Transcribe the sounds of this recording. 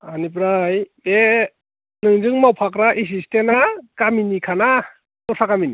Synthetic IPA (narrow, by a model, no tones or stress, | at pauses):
anip̬ɾajbe | nɯŋzɯŋmawpʰakɾaʔis̬istenakaminikʰana | tɔsakamini